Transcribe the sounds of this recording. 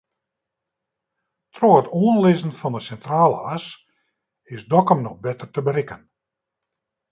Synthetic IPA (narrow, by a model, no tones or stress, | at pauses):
troːətoːənlɪzən̩fɑndəsɛntraːlˠə̰as | ɪsdɔkəmnɔxbɪtərtəbəɾɪkən